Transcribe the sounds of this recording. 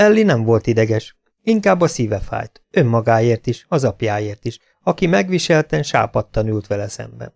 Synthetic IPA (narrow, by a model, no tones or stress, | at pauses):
ɛlːinɛɱvo̞lt̪id̪ɛɡɛʃ | iŋkaːbːɒsiːvɛfa̰ːjt̪ | ø̞mːɒɡaːeːrt̪iʃɒzɒpjaːjeːrt̪iʃ | ɒkimɛɡʋiʃɛlt̪ɛʃa̰ːpɒt̪ːɒnylt̪ʋɛlɛsɛ̰mbɛ̰n